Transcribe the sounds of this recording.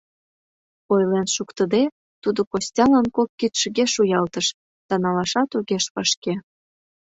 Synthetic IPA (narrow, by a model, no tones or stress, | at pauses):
ojlenʃukt̪əd̪e | t̪ud̪okosʲtʲɑlənkokːit̪ʃə̆ɣeʃujɑlt̪əʃ | t̪ɑnɑlɑʃɑt̪oɣeʃpɑʃke